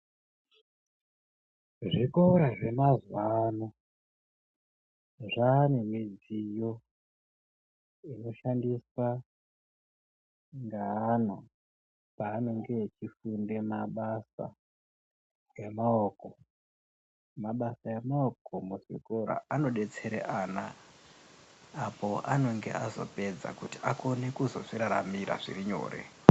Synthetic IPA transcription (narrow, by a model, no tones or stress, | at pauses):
ʐikoɾaʐe̞mazwano | ʐanemid͡zijo̞ | ino̞ʃandiswa | ŋɡaːno̞ | paːno̞ŋɡet͡ʃifunde̞maɓasa̰ | jemaoko̞ | maɓasaemaoko̞muʐikoɾa̰ano̞ɗe̞t͡se̞ɾḛʔana | po̞ʔano̞ŋɡe̞̰ʔazo̰pe̞d͡za̰kutiʔako̞ne̞kuzo̞̰ʐiɾaɾa̰miɾa̰ʐḭɾiɲo̞̰ːre̞̰